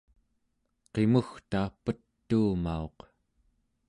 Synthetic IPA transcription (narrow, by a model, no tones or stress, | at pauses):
qe̞muxt̪aːpət̪ːuːmao̞q